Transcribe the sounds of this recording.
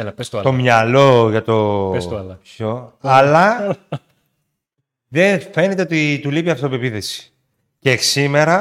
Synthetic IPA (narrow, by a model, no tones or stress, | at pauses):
npest̪o̞mɲɐlo̞ʝɐt̪o̞slɐpçoɐlɐ | ðe̞fe̞net̪e̞ot̪it̪ulipiɐft̪opepiθe̞si̥ | ceksime̞ɾɐ